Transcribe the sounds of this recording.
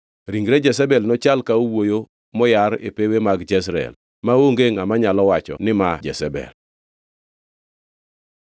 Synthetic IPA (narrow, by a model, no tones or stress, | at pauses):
ɾiŋɡɾed͡ʒɛsɛbɛlnɔt͡ʃalkaowojo | mɔjaɾḛpewemaɡd͡ʒɛs̬ɾɛ̰l | mawoŋɡeŋamaɲalɔwat͡ʃɔ̰nɪmad͡ʒɛsɛbɛ̰l